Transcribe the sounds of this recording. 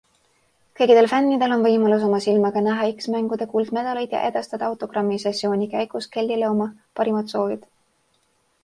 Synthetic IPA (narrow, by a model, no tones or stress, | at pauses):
kɤjkid̪̥e̞lfænːid̪e̞lo̞nvɤjmɑlus̬o̞mɑsilmɑɡɑnæɦɑiksmæŋɡ̥ud̪̥e̞kuːld̪̥me̞d̪̥ɑlejd̪̥jɑ̰ʔe̞d̪̥ɑst̪ɑd̪̥ɑɑwt̪ːˑo̞ɡrɑmːisesːjo̞ːnʲikæjɡ̥ust̪ke̞lʲːilɤwmɑpɑɾimɑt̪so̞ːvid̪̥